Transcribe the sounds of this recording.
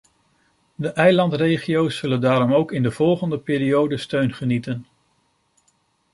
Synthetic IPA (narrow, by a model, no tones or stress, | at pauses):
dəʔɛjlɑntrejχijowsːɵləndaːɾɔmowkɪndəv̥ɔlˠχəndəpɪːɾijowdəstøɥnχənitən